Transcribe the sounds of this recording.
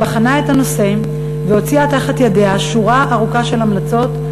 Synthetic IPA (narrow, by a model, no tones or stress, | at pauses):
aχanae̞tano̞sem | veo̞t͡siataχatjadeaʃuʁaʔaʁukaʃe̞lamlat͡so̞t